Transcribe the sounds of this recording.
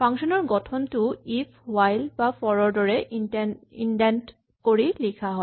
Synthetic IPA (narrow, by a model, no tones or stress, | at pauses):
pʰaŋsɔnɔɹɡɔtʰɔntʊipʰwajlbafɔɹɔɹdɔɹɛ | ḭndant | koɹilikʰaɦɔ